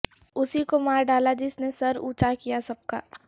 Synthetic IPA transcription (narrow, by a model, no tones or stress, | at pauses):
ʊsikomaːɾɖaːlad͡ʒɪsnesɐɾṵːt͡ʃakijasɐb̚ka̰ː